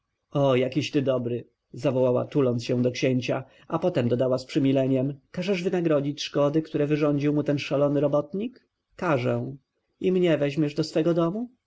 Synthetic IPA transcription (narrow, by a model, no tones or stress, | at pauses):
ɔjakʲiɕt̪ɘd̪ɔbɾɘ | zavɔwawa̰t̪ulɔnt̪sɕɛ̃d̪ɔkɕeɲt͡ɕa | ʔapɔt̪ɛmd̪ɔd̪awaspʂɘmʲilɛɲɛmkaʐɛʐvɘnaɡɾɔd͡ʑit͡ɕʂkɔd̪ɘkt̪uɾɛvɘʐɔɲd͡ʑiwmut̪ɛnʂalɔnɘɾɔbɔt̪ɲik | kːaʐɛ̃ | imɲɛvɛʑmʲɛʐd̪ɔsfɛɡɔd̪ɔmu